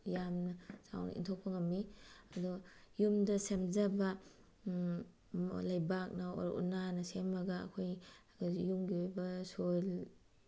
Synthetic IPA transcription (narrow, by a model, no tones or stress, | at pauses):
jamnɐsa̰wnɐ̰ʔḭntʰok̚pʰɐŋɐmːiɐdɔjumdɐsemzɐbɐ | lajbak̚nɐo̰ɾṵnanɐsemaɡɐ̰ːkʰoj | ɡjuŋɡiojbɐsol